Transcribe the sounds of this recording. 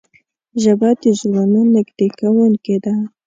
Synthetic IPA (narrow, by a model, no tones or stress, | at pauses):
ʒabad̪əʒwananɪɡd̪ekawunked̪a